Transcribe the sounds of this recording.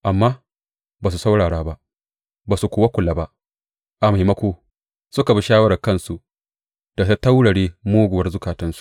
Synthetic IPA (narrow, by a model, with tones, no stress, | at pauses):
ʔa˨mːaː˦ | baː˨su˨sa˦wɽaː˨ɽaː˦ba˦ʔ | baː˨su˨kʷoː˨wa˦kʷʊ˨laː˨˦ba˦ʔ | ʔa˨ma˨jmɐ˦kʷoː˨ | sʊ˦ka˨bi˦ʃaː˦wɐ˦ɾa˨kɐ˦nsu˨ | d̥a˨ta˦ta˦wɽɐ˨ɽeː˦moː˦ɡʷʊ˨ɐ˦rzʊ˦kaː˨tɪ˦nsu̥˨ʔ